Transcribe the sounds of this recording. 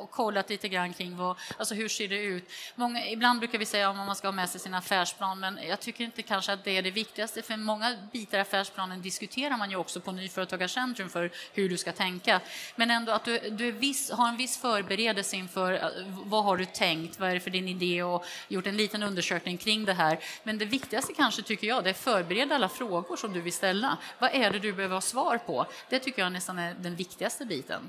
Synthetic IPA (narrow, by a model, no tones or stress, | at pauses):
ɔkʰːɔlːat̪liːt̪əɡɾanːkʰɾɪŋːvaalsɔɦɵʂeːɖɛʉ̟ːt̪mɔŋːaɪbland̪bɾʉ̟kaɾvɪsɛjːaɔmɔmanskahɑːmɛsɛjsinaːfæːʂpʰlɑːnmɛnjɑːɡ̚t̪ʰʏkːəɾɪnt̪əkʰanʂəat̪̚d̪ɛæɖɛvɪk̚t̪ɪɡast̪əfœɾmɔŋːabiːt̪aɾɪafæːʂpʰlɑːnənd̪ɪskɵt̪ʰeːɾaɾmanjɵɔksɔpʰɔnyːfœːɾət̪ʰɑːɡaʂɛnt̪ɾɵmfœɾhɵɖɵskat̪ʰɛŋkamɛnɛnd̪oːat̪̚d̪ɵd̪ɵæɾvɪsɦaɾɛnvɪsːfœːɾbɛɾeːd̪əlsəɪnfœːɾ̰vaɦaɖɵt̪ʰɛŋkt̪vaæɖɛfœɖɪnɪd̪eːɔjʊʈːɛnliːt̪ənɵnd̪əʂøːknɪŋkʰɾɪŋːd̪ɛɦæːɾmɛnd̪ɛvɪkt̪ɪɡast̪əkʰanʂət̪ʰʏkːəɾjɑːd̪ɛæɾfœːɾbɛɾeːd̪ːalːafɾoːɡʊʂɔmd̪ɵvɪlst̪ɛlːa̰vaʔæɖɛd̪ɵbɛhøːvəɾhɑːsvɑːɾpʰɔ̰ | d̪̥ɛt̪ʰʏkːəjɑnɛst̪anæd̪ɛnvɪkt̪ɪɡast̪əbiːt̪ʰə̰n